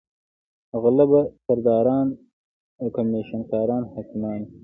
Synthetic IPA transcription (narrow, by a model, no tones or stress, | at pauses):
ɣalabasɐɾd̪ɑːɾɑːn | awkameːʃɐnkɑːɾɑːnhakɪmɑːn